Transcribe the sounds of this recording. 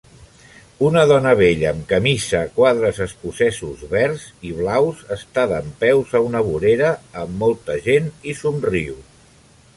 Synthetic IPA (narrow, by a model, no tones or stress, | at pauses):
unəðɔnəβeʎəːmkəmisəkwaðɾəzəskusɛsuzβɛɾziβlawzəst̪aðəmpɛwzəunəβuɾeɾəːmːɔlˠt̪əʒenisumriw